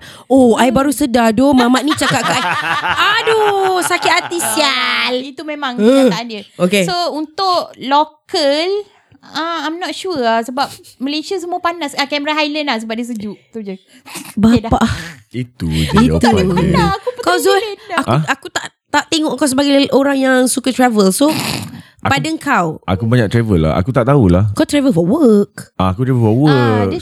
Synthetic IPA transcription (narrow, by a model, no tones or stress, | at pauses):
oajbaɾusədadomamaʔnĩt͡ʃakaʔkaʔajadosakɪt̪at̪isialit̪umemãŋaaandiəokesount̪ʊʔlokəl | aajmnɔt̪̚ʃuasəbap̚ | məlesəs̬əmuəpanasakɛməɾaɦajlənlahs̬əbap̚diəs̬əd͡ʒuʔt̪ud͡ʒə | bapaʔit̪uiuakupkɔsaʔakut̪aʔ | t̪aʔt̪eŋɔʔkawsəbaɡajʔoɾaŋjaŋsukat̪ɾavəlso | apadaŋkʰawa̰kubaɲaʔt̪ɾavəla̰a̰kut̪aʔt̪aulahkawt̪ɾavəlfɔwək̚aakut̪ɾɛvəfɔwək